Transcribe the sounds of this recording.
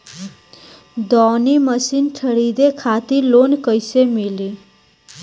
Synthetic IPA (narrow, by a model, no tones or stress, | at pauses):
d̪ɔniməsinʈʰəɽid̪ekʰat̪ilonkəjsemili